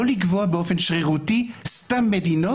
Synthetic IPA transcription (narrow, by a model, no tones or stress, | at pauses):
olikvoabeofenʃʁiʁut̪istamːed̪ino